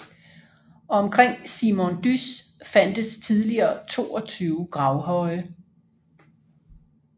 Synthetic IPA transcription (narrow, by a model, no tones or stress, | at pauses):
ɒ̽mkʰʁeŋ̰simond̥ysfæn̰d̥əst͡sʰiðˠliɐːt͡sʰo̝̰ːɒ̽t͡sʰyːʊɡ̥ʁɑ̈ʊɦɒ̽ɪ